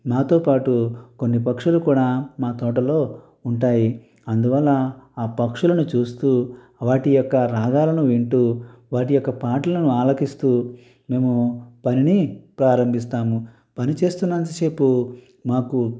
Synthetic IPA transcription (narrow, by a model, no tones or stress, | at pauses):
maːt̪o̞ːpaːʈukonːipɐkʂulukuːɽaːmaːt̪ɔːʈ̬ɐlo̞ː | uɳʈaːji | ɐnd̪uʋɐlːɐaːpɐkʂulɐnut͡ʃuːst̪uː | ʋaːʈijɔkːɐɾaːɡ̪aːlɐnuʋiɳʈuːʋaːʈijɔkːɐpaːʈlɐnuaːlɐkist̪uː | me̞ːmupɐninipɾaːɾɐmbʱist̪aːmu | pɐnit͡ʃe̞ːst̪unːɐnt̪̬ɐseːpu | maːku